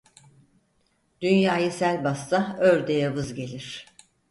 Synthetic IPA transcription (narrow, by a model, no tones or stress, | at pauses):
d̪̥ynjaːjɯsælʲbast̪ʰaøɾd̪ejavɯzɟe̞lʲiɾ̝̥